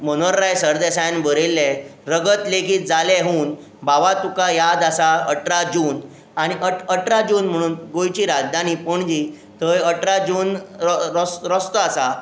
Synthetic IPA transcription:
mənoɾːajsəɾd̪esajnbəɾelːeɾəɡət̪leɡiːt̪̚d͡zalɛɦuːn | baʋat̪ukajad̪asaəʈɾad͡ʑuːn | aɽ̃iʔəʈəʈɾad͡ʑuːnm̤əɽ̃uːnɡojt͡ɕiːɾad͡zd̪ʱañiːpəɳd͡ʑiː | t̪əjəʈɾad͡ʑuːnɾsɾəst̪asa

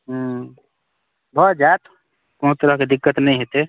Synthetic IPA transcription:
ɦ | bʱəd͡ʒat̪ | kot̪əɾəked̪ikːət̪nɛjɦet̪e

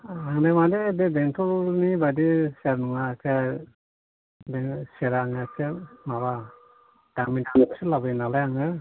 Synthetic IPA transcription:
aŋdajmadebebentʰɔlnibadisaɾnuŋasʰa | beseɾaŋasemaβa | d̥aŋminamɔkselabɯnalajaŋɯ

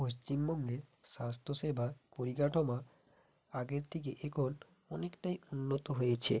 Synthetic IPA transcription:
post͡ɕimbɔŋɡeɾʃast̪ʰoʃebʱapoɾikaʈʰoma | aɡeɾt̪ʰek̬eʔekʰon | ɔnekʈajunːot̪oɦojet͡ɕʰḛ

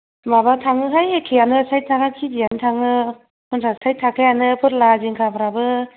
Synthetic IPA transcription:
maβatʰaŋɯɦajhekʰːijanɯsajtʰakakʰizijanɯtʰaŋɯ | kʰɔnsʰasajtʰakʰajanɯpʰɯɾlaziŋkʰapʰɯɾabɯ

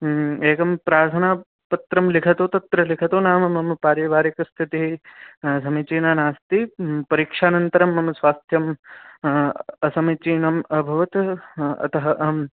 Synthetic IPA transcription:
eːkɐmpɾaːɾt̪ʰɐnaː | pɐt̪ɾɐmlikʰɐt̪oːt̪ɐt̪ɾɐlikʰɐt̪oːnaːmɐmɐmpaːɾɐʋaːɾikɐst̪ʰit̪iɦisɐmit͡ʃiːnaːnaːst̪ipɐɾiːkʂaːnɐnt̪ɐɾɐmːɐmɐsʋaːst̪ʰjɐm | ɐsɐmit͡ʃiːnɐmɐbʱɐʋɐt̪ɐ̰t̪ɐɦɐʔm

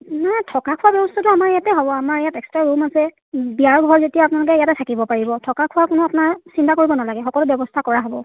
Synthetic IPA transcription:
najtʰɔkakʰʊabjɔbɔstʰatʊamaɹɛjatɛɦɔbɔamaɹɛjatɛkstɹaɹumasɛ | biaɹɡʱɔɹzetijaːpʊnalʊk̬ɛijatɛtʰakibɔpaɹibɔtʰɔkakʰʊwakʊnʊapʊnaɹsintakoɹibɔnalaɡɛxɔkɔlʊbjɔbɔstʰakɔɹaɦɔbɔ

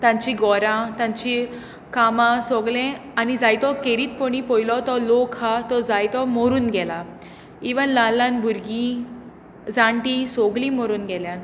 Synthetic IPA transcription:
t̪ãɲt͡ɕiɡɔɾãt̪ãɲt͡ɕi | kamãsɔɡlẽanid͡zajt̪ɔkeɾiːt̪̚pɔɽ̃ipɔjlɔt̪ɔlokhat̪ɔd͡zajt̪ɔmɔɾuːnɡɛla | iʋənlalãnbʱuɾɡĩ | d͡zãɳʈĩsɔɡlĩmɔɾuːnɡɛljãn

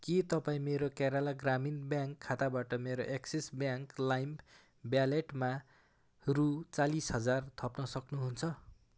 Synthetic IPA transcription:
kit̪ʌpaĩmeɾokaɾalaɡraminbjãŋkʰːat̪abaʈʌmeɾoʔeksisbjaŋklajm | bjaleʈma | rut͡salisɦʌd͡zart̪ʰʌpnʌsʌknuɦunt͡sʰʌ

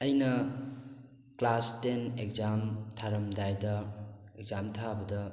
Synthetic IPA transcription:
ɐjnɐ | klastenek̚zamtʰaɾɐmdajdɐek̚zamtʰabɐdɐ

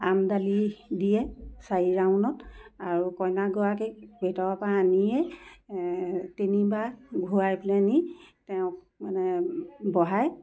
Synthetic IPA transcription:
amdalidijɛsaɹiɹawnɔtaɹukɔjnaɡɔakebʱetɔɹapaːnijɛ | tenibaɡʱuajplɛnitɛʊ̃k̚ | manɛbɔɦaj

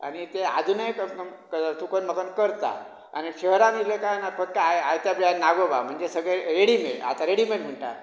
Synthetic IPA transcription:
a̰ñit̪ea̰d̪ʱunəjk | t̪ukənməkənkəɾt̪a̰ | a̰niɕəɦɾanilekanafək̚ʈəajajt̪jabannːaɡoba̰m̤əɳd͡zesəɡɭeɾeɽimeɭa̰t̪aɾeɽimelm̤əɳʈa̰

